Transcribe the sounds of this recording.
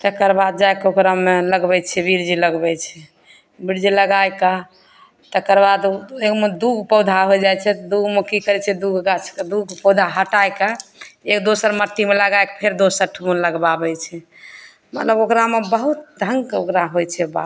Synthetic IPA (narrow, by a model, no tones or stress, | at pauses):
t̪əkəɾbad̪̚d͡ʒaekokɾameləɡbɛt͡ʃʰɛbiɾd͡ʒiləɡbɛt͡ʃʰɛ | biɾd͡ʒiləɡajka | t̪əkəɾbad̪ekmed̪uɡʱpəwd̪ʱaɦojd͡ʒajt͡ʃʰɛt̪d̪uɡmekikəɾɛt͡ʃʰɛd̪uɡʱɡat͡ʃʰkd̪uɡpɔwd̪ʱaɦəʈajkaekd̪osəɾməɾt̪imeləɡaekpʰeɾd̪osəɾʈʰumunləɡbabɛt͡ʃʰɛ | mət̪ləbokɾamebəɦut̪̚d̪ʱəŋɡokɾaɦojt͡ʃʰɛba̰